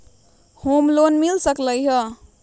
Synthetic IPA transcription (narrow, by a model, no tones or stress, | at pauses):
homlonmilsəkləjɦə